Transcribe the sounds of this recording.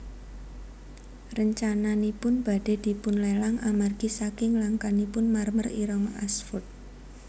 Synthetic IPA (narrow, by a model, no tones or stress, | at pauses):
rəɲt͡ʃananipʊnb̥a̤ɖ̥e̤d̪̥i̤pʊnlelaŋamarɡ̥isakɪŋlaŋkanipʊnmarməriɾɔŋʔasfʊt̪̚